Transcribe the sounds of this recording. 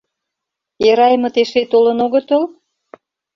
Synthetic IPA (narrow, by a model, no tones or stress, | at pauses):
eɾɑjmɤ̆t̪eʃet̪olə̆noɣə̆t̪ol